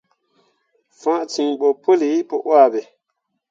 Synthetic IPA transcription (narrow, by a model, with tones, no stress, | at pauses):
fã˦ʔt͡si˨ŋɓo˨po˦li˨˦po˨ʔwa˦˨be˨